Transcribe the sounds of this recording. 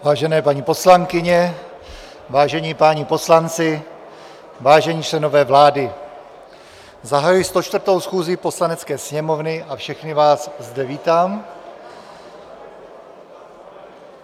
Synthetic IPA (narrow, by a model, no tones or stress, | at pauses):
vaːʒɛnɛːpaɲiːpo̞slaŋkɪɲɛ | vaːʒɛɲiːpaɲipo̞slant͡sɪ | vaːʒɛɲiːt͡ʃlɛno̞vɛːvlaːdɪ | zaɦajujst̪ot͡ʃt̪vrt̪o̞wsxuːzɪpo̞slanɛt͡skɛːsɲɛmo̞vnɪʔafʃɛxnɪvaːszdɛviːt̪aːm